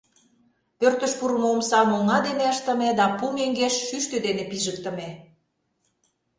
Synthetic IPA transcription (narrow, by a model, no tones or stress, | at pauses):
pørt̪ə̆ʃpuɾəmoəmsɑlmolŋɑd̪eneəʃt̪ə̆med̪ɑpumeŋɡeʃːyʃt̪ød̪enepiʒək̚t̪ə̆me